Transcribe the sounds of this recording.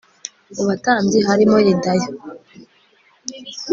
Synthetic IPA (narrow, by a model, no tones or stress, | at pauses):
uβataːmɟiɦaɾimojindajo